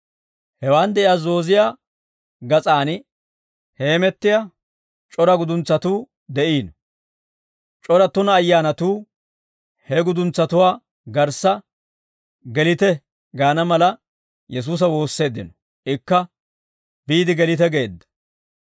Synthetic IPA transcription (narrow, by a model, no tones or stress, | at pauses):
hɛwaːnd̪ɛʔɪjaːzo̞ːzɪjaː | ɡɐt͡sʼaːn | he̞ːmɛt̪ːɪja | t͡ʃʼɔɾɐɡʊd̪ʊnt͡sːɐt̪uː | d̪ɛʔiːnɔ | t͡ʃʼɔɾɐt̪ːʊnɐːjːaːnɐt̪uː | hɛɡʊd̪ʊnt͡sːɐt̪ʊwaː | ɡɐɾsːɐ | ɡɛlɪt̪ɛ | ɡaːnɐmɐlɐ | jɛs̬uːs̬ɐwo̞ːsːe̞ːd̪ːɪnɔ | ʔɪkːɐ | biːd̪ɪɡɛlɪt̪ɛɡe̞ːd̪ːɐ̥